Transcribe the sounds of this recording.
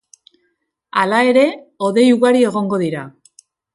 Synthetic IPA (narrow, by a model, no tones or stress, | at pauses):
alae̞ɾe̞o̞ðe̞juɣaɾie̞ɣ̞o̞ŋɡo̞ðiɾa